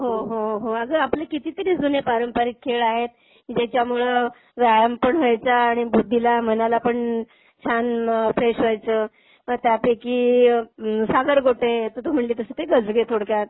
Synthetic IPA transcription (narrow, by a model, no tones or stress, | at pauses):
ɦoɦoɦoaɡəaplekit̪it̪əɾiːd͡zunepaɾəmpəɾik̚kʰːeɭaɦet̪ | d͡ʑet͡ɕjamuɭə | ʋajəmpəɳɦəajt͡saːɽ̃ibud̪ʱːilam̤ənalapəɳ | t͡ɕʰanfɾeɕʋajt͡səː | ət̪japeki | saɡəɾɡʱoʈet̪ət̪om̤əɳliːt̪əsət̪eɡəd͡zɡet̪ʰoɽkjat̪̚